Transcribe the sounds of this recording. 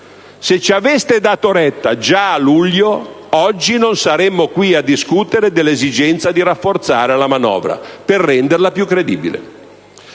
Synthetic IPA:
set͡ʃːavest̪ed̪aːt̪oɾɛt̪ːa̰d͡ʒaːluʎːo | ɔd͡ʒːinonsaɾɛmːokwiad̪ːiskut̪eɾed̪elːezid͡ʒɛnt̪sad̪iɾafːort̪saːɾelamanɔ̰ːvɾa̰perːɛnd̪erlapjukːɾed̪iːbḭlḛ

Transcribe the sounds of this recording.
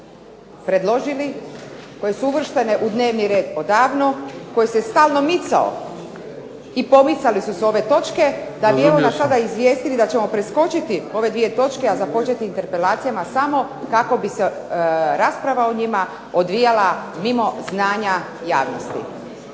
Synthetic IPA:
pɾe̞d̪lo̞ʒiliko̞je̞suuʋr̩ʃt̪e̞ne̞ʔud̪ne̞ːʋniɾe̞ːd̪o̞d̪aːʋno̞ko̞jese̞st̪aːlˠno̞mit̪sa̰o̰ | ipo̞mit̪salisuseo̞ʋe̞t̪o̞t͡ʃke̞d̪abiemonasad̪aizʋje̞ːst̪ilid̪at͡ɕe̞mo̞pɾesko̞t͡ʃit̪io̞ʋe̞d̪ʋijet̪o̞t͡ʃkeazapo̞t͡ʃet̪iːnt̪eɾpe̞laːt̪sijamasamo̞ | kako̞bise | ɾaspɾaʋao̞ɲima | od̪ʋijalamimo̞znaːɲa | jaːʋno̞̰st̪ḭ

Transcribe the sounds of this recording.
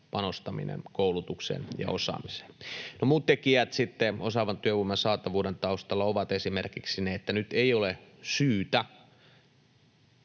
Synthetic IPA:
pɑnost̪ɑmḭnḛnkoulut̪uksḛːnjɑ̰osɑ̰ːmise̥nnomuːt̪t̪ekiæt̪sit̪ːeosɑʋɑnt̪yøʋumːɑnsɑːt̪ɑʋuːdent̪ɑust̪ɑlːɑoʋɑt̪esimerkiksineet̪ːænyt̪eiolesyːt̪æ

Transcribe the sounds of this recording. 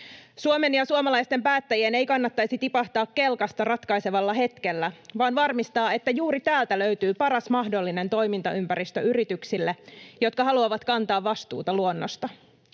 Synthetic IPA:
suome̞njɑsuomɑlɑjst̪e̞mpæːt̪ːæjienejkɑnːɑt̪ːɑjsit̪ipɑht̪ɑːkːe̞lkɑst̪ɑrɑt̪kɑise̞ʋɑlːɑɦe̞t̪k̟e̞lːæʋɑːnʋɑrmist̪ɑːe̞t̪ːæjuːɾit̪æːlt̪æløyt̪yːpɑɾɑsmɑhdo̞lːine̞nt̪o̞jmint̪ɑympæɾist̪øyɾit̪yksilːejot̪kɑɦɑluɑʋɑt̪kɑnt̪ɑːʋːɑst̪ṵːt̪ɑluonːo̰st̪ɑ

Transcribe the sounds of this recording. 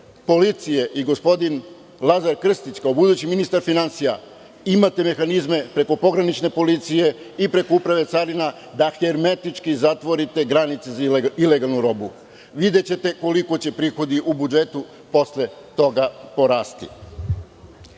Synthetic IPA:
po̞lit̪sije̞ʔiɡo̞spo̞d̪in | lˠazaɾkr̩st̪it͡ɕkaobud̪ut͡ɕiminist̪aɾfinansija | imat̪e̞me̞xanizme̞pɾe̞ko̞po̞ɡɾanit͡ʃne̞po̞lit̪sije̞ | ipɾe̞ko̞upɾaʋe̞t̪saɾina | d̪axeɾme̞t̪it͡ʃkizat̪ʋo̞ɾit̪e̞ɡɾanit̪sezile̞ɡalˠnuɾo̞bu | ʋid̪e̞t͡ɕe̞t̪e̞ko̞liko̞t͡ɕe̞pɾixo̞d̪iʔubud͡ʒe̞t̪u | po̞sle̞t̪o̞ɡapo̞ɾaːst̪ḭ

